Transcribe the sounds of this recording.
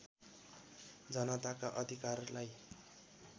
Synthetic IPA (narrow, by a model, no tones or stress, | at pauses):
d͡zʌnʌt̪akaʔʌd̪ʱikarlaj